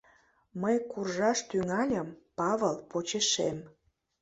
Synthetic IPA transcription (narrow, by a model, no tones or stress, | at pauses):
məjkurʒɑʃt̪yŋɑlʲəmpɑβəlpot͡ɕeʃem